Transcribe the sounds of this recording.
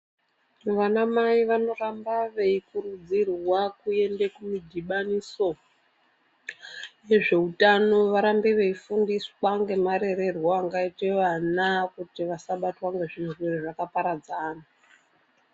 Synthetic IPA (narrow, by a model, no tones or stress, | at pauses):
ʋanamaiʋano̞rambaʋeikuɾud͡zirwakue̞ndekumidʱiɓaniso̞ | je̞ʐe̞utano̞ʋaɾambeʋe̞ifundiswaŋɡe̞maɾe̞ɾe̞rwaːŋɡaiteʋanakutiʋasaɓatwaŋɡe̞ʐirwereʐakapaɾad͡zaːna